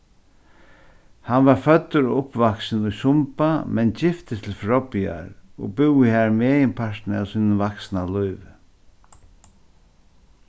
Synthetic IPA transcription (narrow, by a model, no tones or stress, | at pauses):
hanvaɾfœt̪ːʊɾʊpvaksnʊjsʊmpamɛnt͡ɕɪft̪ɪt̪ʰɪlfɾɔpia̰ɾɔ̰bɪwihaːɹmɛːjɪnpʰaʂt̪na̰wsiːnʊnvaksnalujʋ